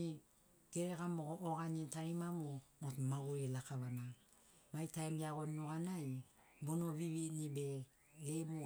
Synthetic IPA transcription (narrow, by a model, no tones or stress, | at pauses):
i | ɡ̥eɾeɣamoɡoʔoɡanitaɾimamomotmaɡoɾilakaβana | majtajmjaɡonːuɡanaj | bonoβiβinibe̞ | ɡebu